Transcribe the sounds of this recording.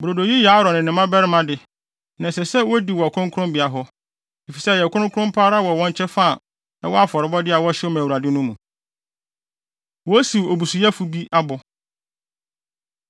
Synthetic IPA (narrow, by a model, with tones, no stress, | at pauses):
bɾo˨do˨ji˦ja˨˦ɾɔ̃˨nɪ̃˨nɪ̃˨mã˦bɛ˦ɾɪ˦mã˦dɪ˨ | nã˨sɛ˨sɛ˦wɔ˦di˨wɔ˨a˨kʰʊ˦ʊ̃˦ŋkʰʊ̃˦mbɪ˨a˨ɦɔ˦ | e˨fi˨sɛ˦˨jɛ˨kʰʊ˦ʊ̃˦kʰʊ˦ʊ̃˦m˦pʰaː˦ɾa˦wɔ˨wɔ̃˦ɲ˦t͡ɕʰɛ˦fa˦˨ | nã˦wɔ˦a˦fɔ˨ɾɪ˨˦bɔ˦dɪ˦a˨wɔ˦ɕɪ˦ɔ˦mã˨u˨ɾa˨dɪ˦nʊ̃˦mũ˨ | wɔ˦si˨o˨bu˨su˨ja˦fu˨bi˦a˦bʊ˨